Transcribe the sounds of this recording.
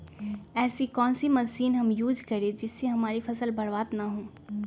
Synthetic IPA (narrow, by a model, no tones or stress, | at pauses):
ɛːsikɔːnsimɐsiːnɦɐmjuːd͡ʒkɐɾẽd͡ʒɪsːeɦɐmaːɾifʰɐsəlbɐɾbaːd̪naɦõː